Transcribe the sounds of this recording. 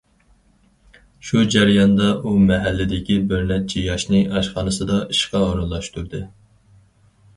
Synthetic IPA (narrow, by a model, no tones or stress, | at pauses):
ʃud͡ʒæɾjɑnd̪ɑʔumɛɦælːɪd̪ɪkʲibøɾnɛt̪̚t͡ʃʰijɑʃnɨʔɑʃχɑːnɨsɨd̪ɑʔiʃqɑoɾɑlˠːɑʃt̪uɾd̪ɨ